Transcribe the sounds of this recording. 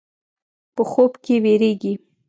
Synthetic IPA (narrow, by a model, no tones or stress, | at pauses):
pəxobkeweɾeɡi